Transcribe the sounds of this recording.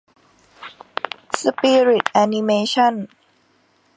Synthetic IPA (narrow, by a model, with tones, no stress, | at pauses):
supiɹi˨t̚ʔæ˧nime˧ʃɔ˥˨n